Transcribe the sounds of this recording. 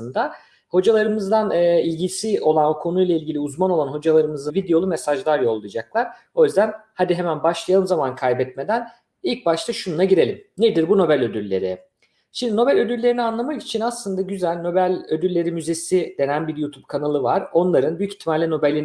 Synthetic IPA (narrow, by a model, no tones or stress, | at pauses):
ɯnd̪a | ho̞d͡ʒalˠaɾɯmɯzd̪anːilʲɟisio̞lˠanokʰo̞nujlˠailʲɡɟilʲiuzmano̞lˠanɦo̞d͡ʒalˠaɾɯmɯzɯvid̪ejo̞lˠumesaʒlˠaɾjo̞lˠːujd͡ʒak̚lˠaɾ̥ | o̞jyzd̪ænhad̪iɦemænbaʃlˠajalˠɯmzamankʰajbɛt̪me̞d̪æn | ilʲc̚baʃt̪ʰaʃununaɟiɾe̞lʲimned̪iɾbuno̞bælʲø̞d̪ylʲːe̞̰ɾɪ | t͡ʃʰimd̪ino̞bælʲø̞d̪ylʲːe̞ɾinianlˠamaki̥t͡ʃʰinaslˠɯnd̪aɟyzælʲno̞bælʲød̪ylʲːe̞ɾimyze̞sid̪e̞nænbiɾjut̪ʰub̥̚kʰanalˠɯvaɾo̞nlˠaɾɯnbyjyci̥t̪ʰːimaɾlʲino̞bɛlʲin